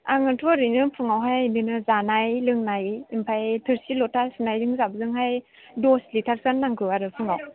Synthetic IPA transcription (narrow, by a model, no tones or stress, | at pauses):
a̰ŋɯtʰɔɾɯnɯpʰɯŋawɦajnɯnɯzanajlɯŋnajimpʰajtʰɯɾsilɔtʰasɯnajdɯŋzabzɯŋhaj | dɔslitʰak̚sanːaŋkʰɯaɾɯpʰɯŋaw